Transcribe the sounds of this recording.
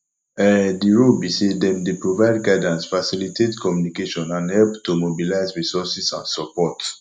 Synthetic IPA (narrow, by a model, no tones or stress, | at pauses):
ɛdiɹolbisedɛ̃mdepɹovaɪdɡaɪdãnsfasilitʰetkʰɔmjunikeʃɔ̃nãnhɛlptomobilaɪzɹisɔsisãnsɔpɔt